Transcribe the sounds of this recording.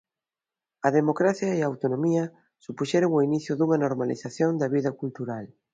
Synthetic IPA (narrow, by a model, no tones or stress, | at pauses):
ɐðemokɾaθjɐiaːwt̪onomiɐ | supuʃɛɾoŋoiniθjʊðuŋɐnoɾmalḭθaθjond̪ɐβiðɐkult̪uɾal